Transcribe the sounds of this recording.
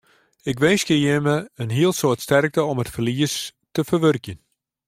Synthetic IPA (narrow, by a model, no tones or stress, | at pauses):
ɪkʋɪjskəjəməənɦiəlˠsoətstɛrk̚təɔmətfərliəstəfərʋørkjən